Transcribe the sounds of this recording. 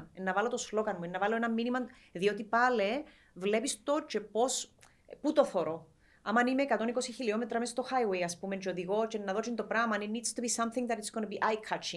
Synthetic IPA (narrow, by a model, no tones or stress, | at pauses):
nenːɐvɐlot̪oslo̞kɐnmuenːɐvɐloenɐmːinimɐn | ðio̞t̪ipɐle | vlepist̪o̞t͡ʃepo̞s | put̪oθoɾo | ɐmɐnimeːkɐt̪o̞nikosiçiliomet̪ɾɐmest̪oxajwejɐspument͡ʃeoðiɣo̞t͡ʃenːɐðo̞t͡ʃint̪opɾamɐninidst̪ubisɐmθĩŋɡðɐtɾit̪sɡ̥onɐbiʔajkʰat͡ʃi